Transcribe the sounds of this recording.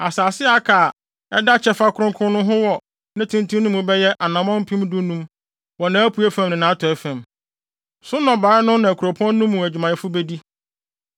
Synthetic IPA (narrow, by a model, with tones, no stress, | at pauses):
a˨saː˨sɪ˦a˦kʰaː˨ | ɛ˦da˦t͡ɕʰɛ˦fa˦kʰʊ˦ɾʊ̃˦kʰʊ̃˦nʊ̃˦ɦʊ̃˦wɔ˨ | nã˦tʰũ˦ntʰũ˦nʊ̃˦mũ˨bɛ˦jɛ˦ʔa˨nã˨mɔ̃˦m˦pʰĩ˦mdũ˦nũ˦m | wɔ˨nã˨˦æ˦pʰu˨˦e˦fæ̃˨m˨nɪ̃˨nã˨˦tʰɔ˨ɛ˦fæ̃˨m | sʊ̃˦nɔ̃˨baː˨ɾɪ˦nʊ̃˦nã˨kʰu˨ɾo˨pʰɔ̃˦nː˦ũ˦mːũ˨æ˨d͡ʑᶣu˨mã˨jɛ˨fʊ˦be˦di˦